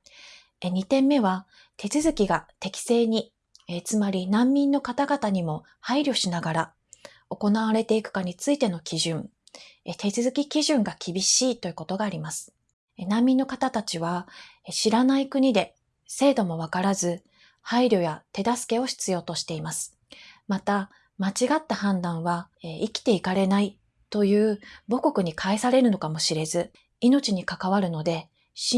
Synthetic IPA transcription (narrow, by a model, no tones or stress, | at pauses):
eɲ̟it̪ẽ̞mːe̞β̞a | t̪e̞t͡sɨzɨkʲiɡat̪e̞kʲi̥se̞ːɲ̟i | et͡sɨmaɾʲinãmːʲĩnːo̞kat̪aɡat̪aɲ̟imo̞ | haiɾʲjo̞ɕinaɡaɾa | o̞ko̞naβ̞aɾe̞t̪e̞ikɯ̟̥kaɲ̟it͡sɨit̪e̞no̞kʲʰiʑɨ̃ŋ | et̪e̞t͡sɨzɨkʲikʲiʑɨ̃ŋɡakʲibʲiɕiːt̪o̞jɯ̟ko̞t̪o̞ɡaːɾʲimasɨ̥ | nãmʲːĩnːo̞kat̪at̪at͡ɕiβaɕiɾanaikɯ̟ɲ̟id̪e̞ | se̞ːd̪o̞mo̞β̞akaɾazɨ | haiɾʲo̞jat̪e̞d̪asɨ̥ke̞o̞çi̥t͡sɨjo̞ːt̪o̞ɕi̥t̪e̞imasɨ̥ | mat̪a | mat͡ɕiɡat̪ːahãnd̪ãɰ̃βaeikʲi̥t̪e̞ikaɾe̞nai | t̪o̞jɯ̟ːbo̞ko̞kɯ̟ɲ̟ikʰaesaɾe̞ɾɯ̟no̞kamo̞ɕiɾe̞zɨ | ino̞t͡ɕiɲ̟ikakaβ̞aɾɯ̟no̞d̪e̞ | ɕ